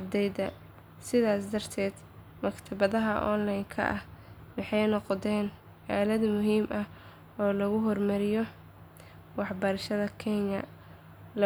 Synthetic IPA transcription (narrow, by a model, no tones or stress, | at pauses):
bd̪ɛjd̪ɐ | sɪðaːsd̪ɐrt̪ʰɛːd̪ | mɐkt̪ʰɐβɐðɐɦɐʔɔ̰nlajŋkʰɐ̰ʔɐh | wɑħɑjnɔqd̪ɛːn | ʕɛːlɐd̪mʊɦiːmʔɐ | ɔːlɐɣʊɦɔrmɐɾɪjɔ | wɑħbɐɾʃɐðɐkʰɛɲɐ | l